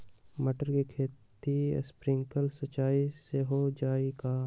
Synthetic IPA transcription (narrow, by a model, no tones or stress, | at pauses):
məʈəɾkikʰeːt̪ḭspɾɪ̃ŋkəlsət͡ʃaːiseɦod͡ʒaːekaː